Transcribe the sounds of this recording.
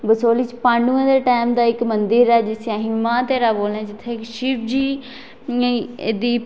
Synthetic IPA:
bəsoːliːt͡ʃpãːɳɖũːãːd̪eːʈaːmd̪aːɪkmənd̪ɪɾɛːd͡ʒɪsaːɦimãːt̪eːɾaːboːlnɛ̃ːd͡ʒɪt̪ʰːeːɪkʃɪpd͡ʒiː | ed̪iː

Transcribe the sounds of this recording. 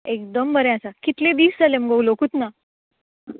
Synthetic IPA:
ekd̪əmbəɾẽasakit̪led̪iːsd͡zalemɡʱəulokut̪na

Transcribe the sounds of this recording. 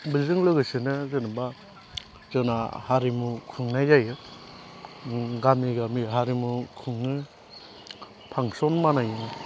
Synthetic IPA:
bizɯŋlɯɡɯsɯnɯzenɯba | zɯna̰haɾimukʰuŋnajajɯ | ɡamiɡamiɦaɾimukʰuŋnɯ | pʰaŋsɔnmanajɯŋ

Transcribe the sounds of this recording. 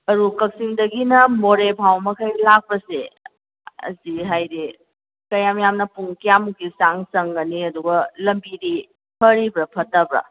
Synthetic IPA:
ɐɾukɐk̚siŋdɐɡinɐmoɾebʱawmɐkʰɐjlak̚pɐsḛ | ɐ̰ziɦajɾi | kɐjamjamnɐpuŋkijamukisaŋsɐŋɡɐniɐduɡɐlɐmbiɾi | pʰɐɾibɾɐpʰɐtɐbɾɐ̰

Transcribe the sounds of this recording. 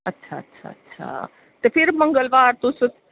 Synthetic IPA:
ɐtːʃʰaətːʃʰa̰ətːʃʰa̰ | t̪epʰiɾməŋɡəlʋaːɾt̪usu

